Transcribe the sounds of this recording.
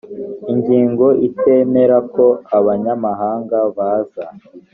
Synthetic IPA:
iɲɟiːŋɡo̞ʔite̞ːme̞ɾako̞aβaɲamaɦaːŋɡaβaːza

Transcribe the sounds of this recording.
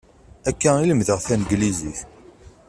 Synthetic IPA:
ækːæiləmðəʁθænɡliziθ

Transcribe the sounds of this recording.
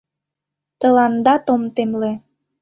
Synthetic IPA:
t̪ə̆lɑnd̪ɑt̪omt̪emle

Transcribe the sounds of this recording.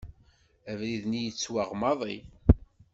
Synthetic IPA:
ævɾiðnijət͡sːwaʁmɑðˤi

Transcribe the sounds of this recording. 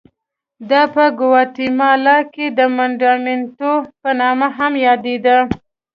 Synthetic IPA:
d̪ɑpəɡʊwɑt̪imɑlɑked̪əmaɳɖɑment̪opənɑmaɦamjɑd̪ed̪a

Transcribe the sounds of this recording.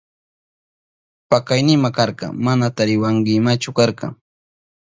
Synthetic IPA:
pakajnɪmakɑɾqɑ̰manat̪aɾɪwaŋɡɪmat͡ʃʊkɑɾqɑ̰

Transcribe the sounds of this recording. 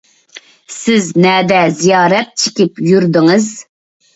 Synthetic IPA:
sɪznɛːd̪ɛzijɑːɾɛt̪̚t͡ʃʰɪ̥kʲipjyɾd̪ɪŋɨz

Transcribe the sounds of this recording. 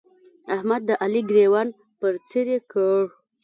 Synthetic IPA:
ahmad̪ːəʔaliɡɾewan | pəɾt͡siɾekəɽ

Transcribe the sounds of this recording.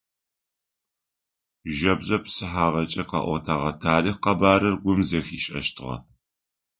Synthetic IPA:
ʒɐbzɐpsɨħaːʁɐt͡ʃʼɐqɑ̰ːʔʷɔ̰tʰaːʁɐtʰaːliqɐbaːɾɐrɡʷʊmzɐxiːʃʼɐ̰ʃtʰɨʁɐ̰

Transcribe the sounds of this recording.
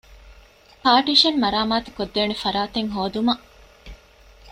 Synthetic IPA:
paːʈiʃɐnmɐɾaːmaːt̪u̥kod̪ːeːnefɐɾaːt̪eŋɦoːd̪umɐʔ

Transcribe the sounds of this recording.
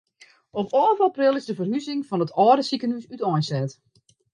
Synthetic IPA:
ɔpɔːvaprɪlˠɪzdəvərhyzɪŋfɔnətʰɔːdəsikənysytɔnsɛt

